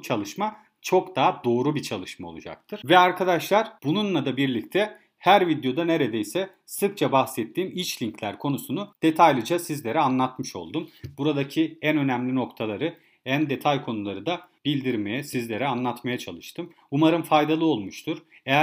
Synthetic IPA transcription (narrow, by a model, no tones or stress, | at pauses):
t͡ʃʰalˠɯʃma | t͡ʃʰo̞kd̪aːd̪o̞ːɾubit͡ʃʰalˠɯʃmaolˠṵd͡ʒa̰k̚t̪ʰɯɾ̥vɛaɾkʰad̪aʃlˠaɾ̥b̥ununlˠad̪abiɾlʲic̚t̪ʰɛ | hæɾvid̪jo̞d̪ane̞ɾe̞d̪ejsɛ | sɯk̚t͡ʃʰabaxsɛt̪ʰːiːmit͡ʃlʲiɲclʲæɾkʰo̞nusunud̪̥e̞t̪ʰajlʲˠɯd͡ʒasizlʲe̞ɾɛanlˠat̪mɯʃo̞̰lˠd̪umbuɾad̪acʰiænø̞næmlʲino̞kt̪ʰalˠaɾɯ | ænd̪e̞t̪ʰajkʰo̞nulˠaɾɯd̪abilʲd̪iɾme̞jɛsizlʲe̞ɾɛanlˠat̪majat͡ʃʰalˠɯʃt̪ʰɯm | umaɾɯmfajd̪alˠɯo̞lˠmuʃt̪ʰuɾ̥ | eæ